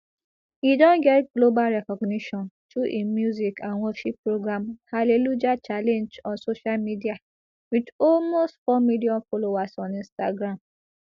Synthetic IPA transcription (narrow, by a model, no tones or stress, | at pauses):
jidɔ̃nɡɛtɡlobalɾɛkɔɡniʃɔ̃ntuʔimjuzikãnwɔʃipːɹoɡɾãmhalelud͡ʒat͡ʃalẽnd͡ʒɔ̃nsoʃalmidia | wit͡ʃɔlmostfɔmidiɔ̃folowasɔ̃nĩnstaɡɾãm